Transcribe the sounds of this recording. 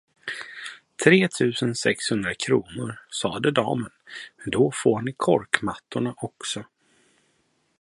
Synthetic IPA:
t̪ʰɾeːt̪ʰʉ̟ːsənsɛkshɵnd̪ɾakʰɾuːnʊɾsɑːd̪əd̪ɑ̰ːmənmɛnd̪ɔfoːɳɪkʰɔɾkmat̪ːʊɳaʔɔksɔ

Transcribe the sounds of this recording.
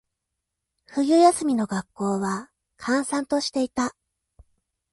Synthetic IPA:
ɸɯ̟jɯ̟jasɨmʲino̞ɡakːo̞ːβa | kʰãɰ̃sãnt̪o̞ɕi̥t̪e̞it̪a

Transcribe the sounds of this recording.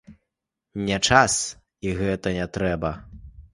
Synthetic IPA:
nʲɛt͡ʂas | iɣɛt̪ɐnʲɛt̪ɾɛbɐ

